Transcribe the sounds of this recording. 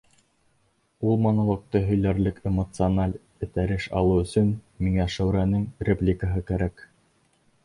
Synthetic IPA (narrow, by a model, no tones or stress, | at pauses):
ulˠmɑnɤ̆lˠɤ̆q̚t̪ɤɦɵ̆jlæɾlɘkemŏt̪sɨonalʲ | ɘ̆t̪æɾɘʃɑ̰lˠɤwɵ̆sɵnmiŋæʃæwɾænɘŋrʲeplʲikəɦɤkæɾæk